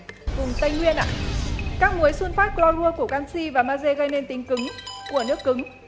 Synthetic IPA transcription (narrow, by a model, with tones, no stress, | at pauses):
vʊ˨˩ŋ͡mt̪ə˧jŋwi˧ənʔa̰ː˧˨kaː˦˥k̚mu˨˦jswɨ˧nfaː˦˥t̚lɔ˧lu˧əku˧˩əkaː˧nsi˧vaː˨˩maː˧ze˧ɣə˧jne˧nt̪i˨˦ŋ̟kɨ˨˦ŋku˧˩ənɨ˦˥kːɨ˨˦ŋ